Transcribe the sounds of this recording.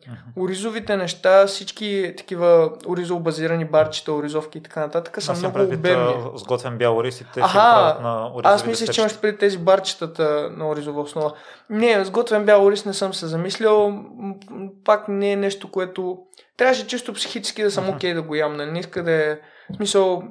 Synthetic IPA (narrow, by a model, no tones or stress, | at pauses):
ʊɾizovit̪ɛnɛʃt̪afsit͡ʃkit̪ɐ̥k̟ivəʊɾizovbɐziɾɐnibaɾt͡ʃi̥t̪əʊɾizɔfkʲiːt̪ɐ̥kanɐt̪at̪ə̥kəsɐmnɔɡʊːbɛizɡɔt̪vɛnbʲjaɾisit̪ɛaɦanɾasmislʲəʃt͡ʃɛimɐʃpɾɛitt̪ːɛzibaɾt͡ʃi̥t̪ət̪ənɐoɾizovɐosnɔvə | nɛzɡɔt̪vɛnbjaloɾisnɛsɤmsɛzɐmislʲəlˠ | paknɛːnɛʃt̪okoɛt̪oʊ | t̪ɾʲavəʃ̬ɛt͡ʃist̪opsi̥xit͡ʃɛ̥skʲid̪ɐsəmok̟ʲɛjd̪ɐɡojamnɐliniskəd̪ɛ | smisəlˠ